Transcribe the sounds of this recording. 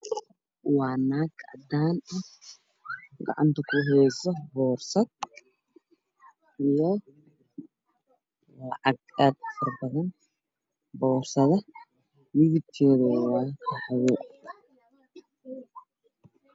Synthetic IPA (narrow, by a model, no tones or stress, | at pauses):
waːnːaːɡɐ̰d̪aːnɐ | ɡɑ̰ʕa̰nt̪ʰɐkʰʊɦɛːsɔbɔːrsɐd̪̚ | ɪjɔ | lɐʕɐɡaːd̪fɐrbɐðɐn | bɔːrsɐðɐ | wɪɣɪt̪ʰːɔːðɐwaːkʰɐħɐjɛ